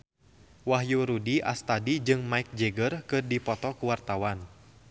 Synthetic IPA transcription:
waɦjuɾudiʔa̰st̪adid͡ʒɨŋmaik̚d͡ʒɛɡərkɨrdipɔt̪ɔkuwart̪awan

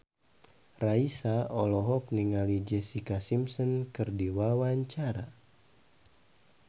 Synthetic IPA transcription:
raisaɔlɔɦɔk̚niŋalid͡ʒɛsikasimsɔnkɨrdiwawaɲt͡ʃaɾa

